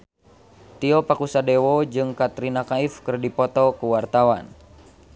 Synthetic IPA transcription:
t̪iɔpakusadɛwɔd͡ʒɨŋkat̪ɾinakaifkɨrdipɔt̪ɔkuwart̪awan

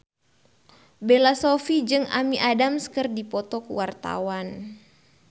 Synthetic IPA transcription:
belasɔfid͡ʒɨŋa̰miʔadamskərdipɔt̪ɔkuwart̪a̰wan

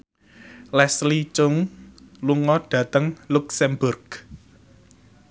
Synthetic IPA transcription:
lɛslit͡ʃʊŋ | luŋɔɖ̥ä̤t̪əŋluksɛmbʊrɡ̥

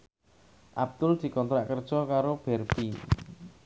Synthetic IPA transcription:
ʔab̚d̪̥ʊld̪̥i̤kɔnt̪ɾaʔkərd̥ʒ̥ɔkaɾob̥ɛrpi

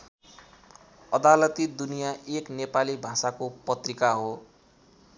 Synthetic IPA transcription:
ʌd̪alʌt̪id̪unijaʔeknepalibʱãsakopʌt̪rikaɦo

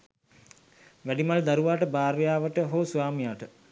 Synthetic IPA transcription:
ʋæɖimald̪aɾuʋaːʈəbaːɾʋejaːʋəʈəɦosuʋaːmijaːʈə

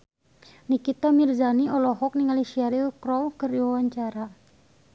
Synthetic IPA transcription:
nikit̪amirzaniɔlɔɦɔk̚niŋaliʃiaɾilkɾɔwkɨriwawaɲt͡ʃaɾa

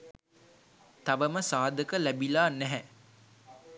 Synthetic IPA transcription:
t̪aʋəməsaːd̪əkəlæbilaːnɛɦɛ

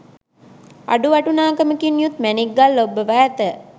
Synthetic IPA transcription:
a̰ɖuʋaʈunaːkəməkinːjut̪mæniɡːalːəobːəʋæːt̪ə

